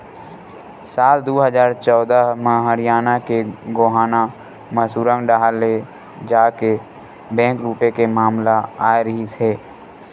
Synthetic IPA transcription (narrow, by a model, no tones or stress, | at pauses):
saːld̪oːɦəzaːɾt͡ʃɔːd̪əɦmə̃ɦəɾɪjaːnakeɡoːɦaːna | məsuːɾə̃ŋɖaːɦale | d͡ʒaːke | bɛ̃ːŋkɾuːʈekemaːmlaaːjɾəɦiseː